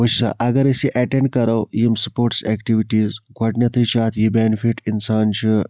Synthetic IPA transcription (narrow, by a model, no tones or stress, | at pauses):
ut͡ʃʰsa̰ʔɐɡɐɾɐsiʔɐʈẽɳɖ̚kɐɾɐwjimsɐpoːɾʈsekʈiʋiʈiːzɡʱɐʈnɐt̪ʰɨt͡ʃʰaːt̪ʰjibenfiʈinsaːnt͡ʃʰi